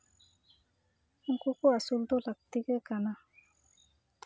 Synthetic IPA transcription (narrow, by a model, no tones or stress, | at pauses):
ŋ̩kukoasuld̪olak̚t̪iɡɛkana